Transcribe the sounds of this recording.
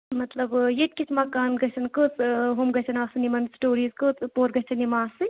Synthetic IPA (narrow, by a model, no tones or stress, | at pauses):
mɐt̪lɐbjeʈ̪̚ʲkʲit͡ʃʰmɐkaːnɡɐt͡ʃʰɐnkɨt͡sɦumɡɐt͡ʃʰɐnaːsɨnimɐnsʈoːɾiːzkɨt͡spoːɾɡɐt͡ʃʰɐnimaːssɨ